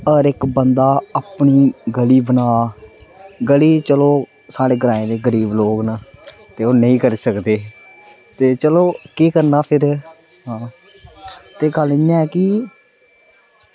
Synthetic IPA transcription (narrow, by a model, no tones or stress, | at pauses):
əɾɪkbənd̪aːaːpɳiːɡəliːbənaː | ɡəliːt͡ʃəloː | saːɽeːɡɾãːẽːd̪eːɡəɾiːbloːɡnaː | t̪eːoːnəĩːkəɾiːsəkd̪eː | t̪eːt͡ʃəloːkiːkəɾnaːpʰɪɾ | ɦãː | t̪eːɡəlɪɲãːɛːkɪ